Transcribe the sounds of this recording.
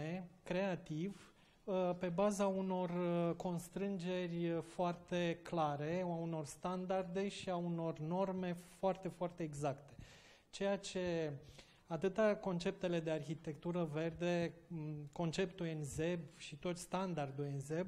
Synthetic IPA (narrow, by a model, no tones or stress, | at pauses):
ekɾe̞at̪iv | pe̞bazauno̞rko̞nst̪ɾɨnd͡ʒe̞rʲfoart̪e̞klaɾe̞auno̞rst̪and̪ard̪e̞ʃiauno̞rno̞rme̞foart̪e̞foart̪e̞ːɡzakt̪e̞̥ | t͡ʃe̞jat͡ʃe̞ | at̪ɨt̪ako̞nt͡ʃe̞p̚t̪e̞le̞d̪e̞arçit̪e̞k̚t̪uɾəve̞rd̪e̞ | ko̞nt͡ʃe̞pt̪uenze̞bʃit̪o̞t̪ʲst̪and̪ard̪ujenzeb